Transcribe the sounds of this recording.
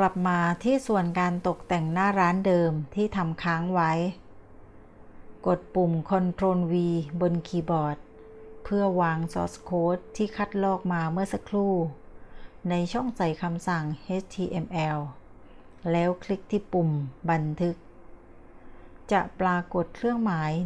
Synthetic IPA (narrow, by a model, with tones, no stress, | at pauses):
kla˨˩p̚maː˧t̪ʰiː˥˩su˨˩ənkaː˧nt̪o˨˩k̚t̪ɛ˨˩ŋnaː˥˩ɾaː˦˥ndɤː˧mt̪ʰiː˥˩t̪ʰa˧mkʰaː˦˥ŋwa˦˥j | ko˨˩t̪̚pu˨˩mkʰɔ˧nt̪ʰɾoː˧nwiː˧bo˧nkʰiː˧bɔː˨˩t̪̚ | pʰɯ˥˩ɐəwaː˧ŋsɔː˦˥skʰoː˦˥t̪ʰːiː˥˩kʰa˧˥˩t̪̚lɔː˥˩k̚maː˧mɯ˥˩ɐsa˧kʰluː˥˩ | na˧jt͡ɕʰɔ˥˩ŋsa˨˩jkʰa˧msa˨˩ŋʔe˦˥t͡ɕt̪ʰiː˧ʔe˧mʔɛː˧w | lɛː˦˥wkʰli˦˥k̚t̪ʰiː˥˩pu˨˩mba˧nt̪ʰɯ˦˥k̚ | t͡ɕa˨˩plaː˧ko˨˩t̪̚kʰlɯ˥˩əŋmaː˩˦j